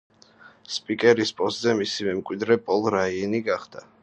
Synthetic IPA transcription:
spʼikʼɛɾispʼɔst̪zɛmisimɛmkʼwid̪ɾɛpʼɔlˠɾainiɡaχd̪̥a

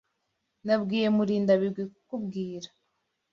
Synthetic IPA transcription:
nabɡiːje̞muɾiːndaβiɾɡwikukubɡiːɾḁ

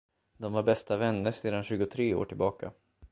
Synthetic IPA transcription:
d̪ɔmvaɾbɛst̪avɛnːəɾseːd̪anɕʉ̟ːɡʊt̪ʰɾeːo̰ːʈʰɪlbɑːka̰

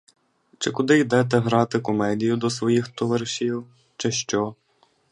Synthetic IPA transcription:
t͡ʃɪkʊd̪ɪjd̪ɛt̪ɛɦɾɑt̪ɪkɔmɛd̪ʲijʊd̪ɔsʋɔjixt̪ɔʋɐɾʃʲiw | t͡ʃɛʃt͡ʃɔ

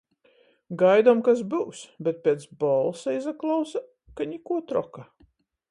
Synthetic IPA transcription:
ɡajd̪ɔmkas̬bɨwsbʲɛt̪̚pʲeːt̪sbɔlˠsɛjzaklˠawsa | kaɲʲikuɔt̪ɾɔka

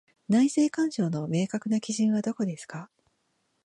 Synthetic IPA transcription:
naise̞ːkãɰ̃ɕo̞ːno̞me̞ːkakɯ̟nakʲiʑĩɰ̃βad̪o̞ko̞d̪e̞sɨ̥ka

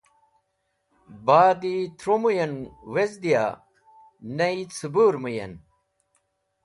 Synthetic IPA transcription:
baːd̪it̪ʰɾomujɐnwezd̪ija̰ | nɐit͡sʰubuːɾmujɐ̰n

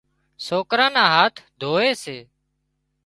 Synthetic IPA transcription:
soːkɾãːnãːɦaːt̪ʰd̪ʱoːeːseː

